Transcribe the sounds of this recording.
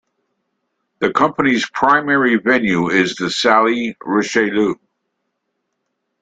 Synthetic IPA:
ðɨkʰʌ̃mpəniz̥pʰɹ̥ãɪ̃mɛɹivɛ̃njʉɪzðɨsælˠiɹɪʃeɪlu

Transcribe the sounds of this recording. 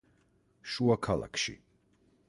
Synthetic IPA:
ʃuakʰalˠa̰kʰʃḭ

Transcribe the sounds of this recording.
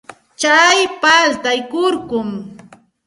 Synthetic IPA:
t͡ʃajpalt̪ajkʊɾkʊm

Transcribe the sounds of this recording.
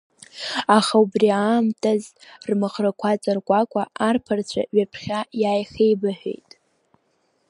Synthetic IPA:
aχaubriaːmtʰʼazrmaχrakʷʰat͡sʼarkʷʼakʷʼaʔarpʰart͡ɕʷʰa̰ɥapʰχʲajaːjχejbaħᶣḛjtʼ

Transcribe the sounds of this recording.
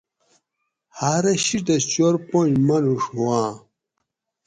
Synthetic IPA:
haɾɐɕiʈ̪ɐst͡ɕoɾponmɐluʂuwãː

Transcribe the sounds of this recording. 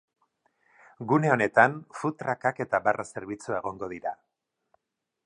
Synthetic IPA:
ɡune̞o̞ne̞t̪anfut̪ɾakake̞t̪abarʔase̞ɾβit͡suae̞ɣ̞o̞ŋɡo̞ðiɾa

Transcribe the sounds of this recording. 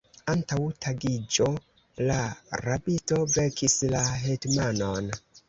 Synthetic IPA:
antawtʰaɡid͡ʒo̞ | laɾabito̞vekʰislaɦetmanon

